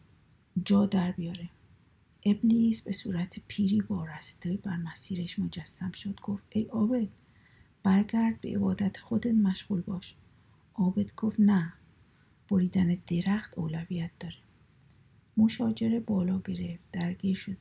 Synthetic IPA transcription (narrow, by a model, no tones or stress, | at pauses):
d͡ʒɒːd̪æɾbijɒːɾe | ʔeblisbe̞suːɾæt̪ʰepʰiːɾiːbɒːræsd̪̥ɒjbæɾmæsiːɾeʃmo̞d͡ʒæsːæmʃod̪̥ɡ̥oft̪ʔejʔɒːbe̞d̪̥̚ | b̥æɾɡæɾd̪̚be̞̰ʔḛbɒːd̪æt̪ʰxod̪et̪mæʃɣuːlbɒːʃ | ʔɒːbe̞d̪ɡoft̪næ | b̥oɾiːd̪æned̪̥eɾæxt̪oːlæviːjæt̪̚ʰd̪ɒːɾe | mo̞ʃɒːd͡ʒe̞ɾe̞bɒːlɒːɡe̞ɾe̞ft̪̚d̪æɾɡiːɾʃod̪e